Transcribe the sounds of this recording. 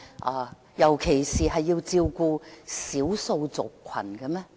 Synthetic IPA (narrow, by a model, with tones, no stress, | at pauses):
ʔaː˨˧ | jɐ˨˩wkʰe˨˩jsiː˨ɦɐ˨jːiː˧wt͡siː˧wkuː˧siː˨˥wso˧wt͡sʊ̰˨kʷʰwɐ̰˨˩nkɐ˧mɛ˥